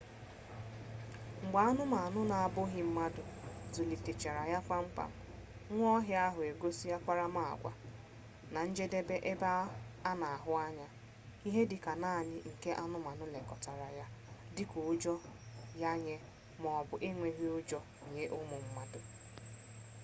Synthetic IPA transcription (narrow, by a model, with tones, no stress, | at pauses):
ŋ͡m̩˨ɡ͡ba˨a˦nʊ˦ma˨a˨nʊ˦na˨a˨bʊ˦ɦɪ˨m̩˦ma˦dʊ˨zu˨li˨te˨t͡ʃe˨ɾa˨ja˦kʷa˦ŋ͡m̩˦k͡pa̰˨m̩˨˦ | ŋʷ˦ɔ˦ɦɪ˦a˦ɦʊ˨e˨ɡo˦si˦ja˦kʷa˦ɾa˦ma˦a̰˨ɡʷa̰˨ | na˨n̩˦d͡ʒe˦de˦be˦ʔe˦ba˦a˦na˨a˨ɦʊ˦a˦ɲa˦ | i˦ɦe˦dɪ˨ka˨naː˦˨nɪ˦ŋ̩˨ke˦ʔa˦nʊ˦ma˨nʊ˦le˨kɔ˨ta˨ɾa˨ja˦dɪ˦kʊ˨˦d͡ʒɔ˦ja˦ɲe˦ | mɔ˨bʊ˨ʔe˦ŋʷe˨ɦi˦ʊ˦d͡ʒɔ˦˨ɲe˦ʔʊ˦mʊ˨m̩˦ma˦dʊ˨